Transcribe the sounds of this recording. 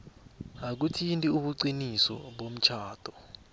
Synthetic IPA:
ak̬utʰintʼiuɓuǀinisɔ̰ɓom̩t͡ʃʰaːtʰʼɔ

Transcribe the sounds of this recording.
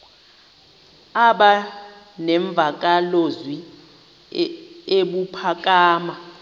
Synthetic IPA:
aɓa | nɛɱb̪vʱak̬ʼalozwi | eɓupʰak̬ʼaːma

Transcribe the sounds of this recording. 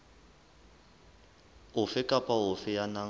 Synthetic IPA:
ʊfɪkʼapʼaɦʊfɪjana

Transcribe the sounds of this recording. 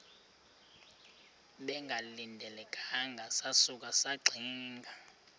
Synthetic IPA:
ɓɛŋɡʱalindʱɛlɛkʰʼaŋɡʱasasuk̬asaɡ͡ǀʱiːŋɡʱa

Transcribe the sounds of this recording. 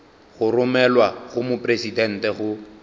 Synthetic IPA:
ɣʊrʊmɛlwaɣʊmʊpʼresidɛn̩tɛɣʊ

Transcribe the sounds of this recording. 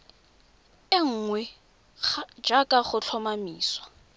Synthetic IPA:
ɪŋ̩ːŋwɛ | d͡ʒakʼaχʊt͡ɬʰɔmamiːswa

